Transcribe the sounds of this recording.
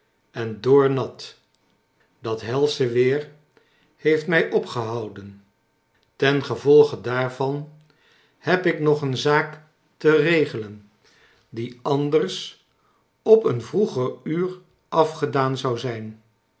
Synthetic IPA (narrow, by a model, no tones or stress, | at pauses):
ɛndʊːɹnɑt | d̥ɑtɦɛlˠsəʋɪːr | hejftmɛjʔɔpχəɦɑwdən | tɛnχəvɔlˠχədaːɹvɑn | hɛpɪknɔχənzaːk | tərejχələn | diɑndərs | ɔpənvruχəryːr | ʔɑfχədaːnzɑwzɛjn